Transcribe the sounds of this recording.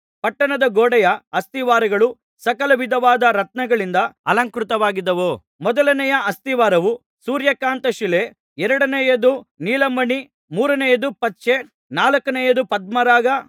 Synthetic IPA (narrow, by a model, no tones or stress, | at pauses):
pɐʈːɐɳɐd̪ɐɡoːɽɐjɐɐst̪iʋaːɾɐɡɐɭu | sɐkɐlɐʋid̪ʱɐʋaːd̪ɐɾɐt̪̚nɐɡɐɭind̪ɐɐlɐŋkɾut̪ɐʋaːɡid̪ːɐʋoː | mɔd̪ɐlɐnɛjɐɐst̪iʋaːɾɐʋu | suːɾjɐkaːnt̪ɐʃile | ɛɾɐɽɐnɛjɐd̪uniːlɐmbɐɳi | muːɾɐnɛjɐd̪upɐtːt͡ʃe | naːlɐkːɐnɛjɐd̪upɐd̪̚mɐɾaːɡɐ